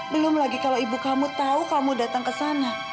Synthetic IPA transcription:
bəlʊmlaɡikalaibukamut̪aukamudat̪aŋkəsana

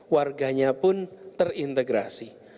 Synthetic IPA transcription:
warɡa̤ɲapʊnt̪ərint̪eɡɾasi

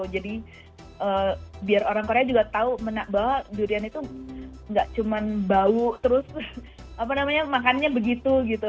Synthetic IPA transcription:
d͡ʒadi | ʔəːbiaroɾaŋkoɾead͡ʒuɡat̪aumənaʔbaɦaʔdiɾianit̪u | ŋɡaʔt͡ʃumanbauʔt̪əɾʊs | ap̬anamaɲamakanɲabəɡit̪uɡit̪u

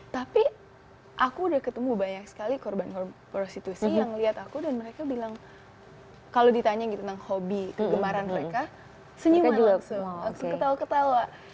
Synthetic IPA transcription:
t̪api | ʔakuːdahkət̪əmubaɲak̚sə̥kalikɔrbankɔrpɾost̪it̪usijaŋliat̪akudanməɾekabilaŋ | kalodit̪aɲaɡit̪unaŋhobikəɡəmaɾanməɾeka | səɲiwaat̪uaŋsʊŋkət̪awakət̪awaʔ

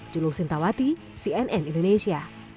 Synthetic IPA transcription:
d͡ʒuluksɪnt̪awat̪i | siɛnʔɛnindonesia

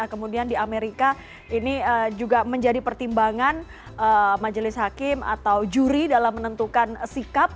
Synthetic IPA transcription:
kəmudiandiameɾika | iniəd͡ʒuɡaməɲd͡ʒadipərt̪imbaŋan | əmad͡ʒəlɪsɦakɪma̰t̪awd͡ʒuɾidalamːənənt̪ukansikap̚

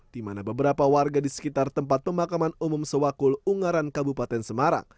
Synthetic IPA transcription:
d̥imanabəbəɾapawarɡadisə̥kit̪art̪əmpat̪̚pəmakamanumʊmsəwakʊluŋaɾankabupat̪ɛnsəmaɾa̰ŋ

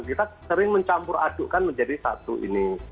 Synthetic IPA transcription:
kit̪asəɾɪŋməɲt͡ʃampʊɾa̰d̥ʊʔkanməɲd͡ʒadisa̰t̪ṵʔḭni

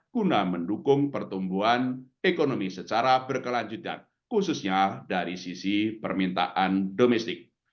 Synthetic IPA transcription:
kunaməndukʊŋpərt̪umbuɦan | ekonomisət͡ʃaɾab̥ərkəlaɲd͡ʒut̪a̰n | kususɲadaɾisisipərmint̪a̰ʔandomɛst̪ɪk̚

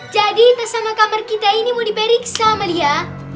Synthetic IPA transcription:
d͡ʒad̪iːt̪ɐsamakamɐɾkit̪ainimuɽipeɾiksamɐlija

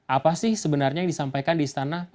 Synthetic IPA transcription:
ʔapasɪhsəbənarɲajaŋdisampajkandist̪anah

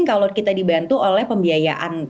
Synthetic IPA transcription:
ŋkalokit̪adibant̪uʔolɛhpəmbiajaʔan

